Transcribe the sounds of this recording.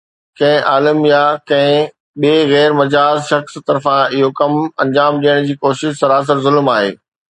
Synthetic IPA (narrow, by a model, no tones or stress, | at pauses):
kɐ̃ɦɪ̃ʔaːləmjakɐ̃ɦɪ̃ | ɓeːɣɛːɾmɐd͡ʑaːzʃɐxst̪ɐɾfãɪɦokɐmɐ̃ɲd͡ʑaːmɗiːəɽ̃d͡ʑiːkoːʃɪʃsɐɾaːs̬əɾzʊlmaːɦḛː